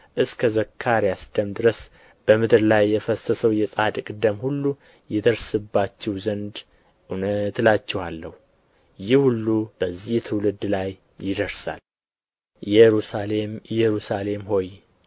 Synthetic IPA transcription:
ʔɨskʰəzəkʰːaɾjasd̪̥əmd̪ɨɾəs | b̥əmɨd̪ɨɾlajːɛfəsəsəwjɛsʼad̪kʼɨd̪əmhulːu | jɛd̪əɾsɨbːat͡ʃːɛwzənd̪ | ʔunət̪lat͡ʃːɛhalːəhu | jɪhhulːub̥əzːiht̪ʰɨwlɨd̪ːlaj | jɪd̪əɾsa̰l | jɛɾusalemjɛɾusale̞mho̞j

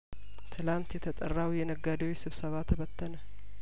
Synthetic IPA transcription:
t̪ʰɨlant̪jɛt̪ʰət̪ʼərːawjɛnəɡːad̪əwisɨβsəβat̪ʰəβət̪ːənə

